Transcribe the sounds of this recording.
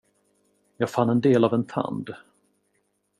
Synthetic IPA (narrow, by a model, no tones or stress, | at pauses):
jɑːɡfanːɛnd̪eːlavɛnt̪ʰa̰nd̪